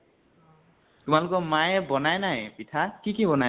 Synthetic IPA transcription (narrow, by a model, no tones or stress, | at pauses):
tumalukɔmajebɔnajnajpit̪ʰakikibɔna